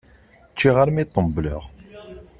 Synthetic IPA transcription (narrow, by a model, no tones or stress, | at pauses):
t͡ʃːiʁaɾmit̪ˤːəmblə̰ʁ